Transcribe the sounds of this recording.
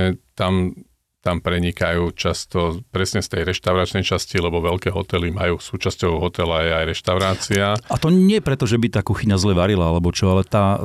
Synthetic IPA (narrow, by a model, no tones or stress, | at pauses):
ɛt̪am | t̪ampɾɛɲikajuːt͡ʃast̪ɔpɾɛsɲɛst̪ɛjɾɛʃt̪aʊɾat͡ʃnɛjt͡ʃascilɛbɔʋɛlkɛːɦɔ̰t̪ɛlimajuːsuːt͡ʃascɔʊɦɔt̪ɛlajɛajɾɛʃt̪aʊɾaːt͡siaat̪ɔɲɪɛɛpɾɛt̪ɔʒɛbit̪aːkuxiɲazlɛʋaɾilaalɛbɔt͡ʃɔalɛt̪aː